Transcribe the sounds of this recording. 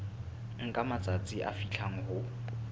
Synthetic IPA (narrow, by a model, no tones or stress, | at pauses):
ŋ̩kʼamat͡sʼat͡sʼiʔa̰fiɬʰaŋ̩ɦʊ